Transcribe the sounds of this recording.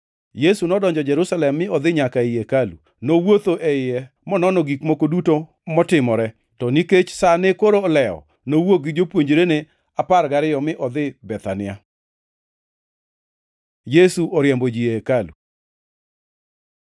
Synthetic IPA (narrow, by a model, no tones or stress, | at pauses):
jesunɔdɔɲd͡ʒɔd͡ʒɛɾusalɛmːɪɔd̪ɪɲakaɪjekalṵ | nowot̪oʔɛɪjɛ | mɔnɔnɔɡikmokoduto | mɔtɪmɔɾɛ | tɔniket͡ʃsanekoɾoːlɛɔ̰ | nowok̚ɡɪd͡ʒopwoɲd͡ʒɾene | aparɡaɾɪjɔmɪʔɔd̪ɪbɛt̪anɪja | jesuʔɔɾjɛmbod͡ʒiekalṵ